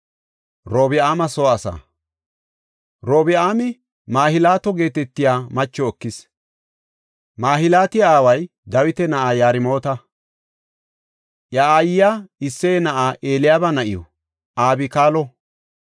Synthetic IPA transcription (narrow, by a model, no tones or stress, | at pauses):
ɾoːbɪaːmɐsoːɐsa̰ | ɾo̞ːbɪʔaːmɪ | maːhɪlaːt̪ɔɡe̞ːt̪ɛt̪ːɪjaːmɐt͡ʃːɔːkːɪs | maːɦɪlaːt̪ɪjaːwɐj | d̪ɐwɪt̪ɛnɐʔaːjaːɾɪmo̞ːt̪ɐ | ʔjɐaːjɪjaɪsːɛjɛnɐʔaːʔe̞ːlɪjaːbɐnɐʔɪjɔ̰ | ʔaːbɪkaːlɔ